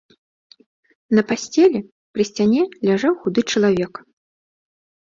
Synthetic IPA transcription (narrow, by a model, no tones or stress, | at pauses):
nɐpasʲt͡sʲɛlʲɛ | kɾɨsʲt͡sʲanʲɛlʲaʐawxud̪ɨt͡ʂɐlˠavʲɛk